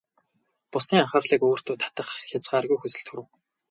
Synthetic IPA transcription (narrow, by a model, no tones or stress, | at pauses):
pʊsniːaχə̆rɮiːkoːr̥t̪uːt̪ʰḁt̪ə̆χxʲat͡sɢaːrɣujxusɘ̆ɬt̪xuɾɘ̆w